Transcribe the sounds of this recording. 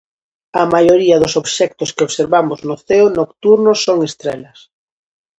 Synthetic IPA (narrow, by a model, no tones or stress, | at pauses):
amajoɾiaðosoβʃɛk̚t̪oskeoβseɾβamoznoθeonokt̪uɾnosːoŋest̪ɾelas